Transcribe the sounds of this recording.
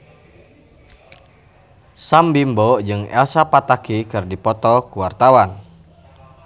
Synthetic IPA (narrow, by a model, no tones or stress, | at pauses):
sambimbɔʔd͡ʒɨŋɛ̰lsapat̪akikɨrdipɔt̪ɔkuwart̪awan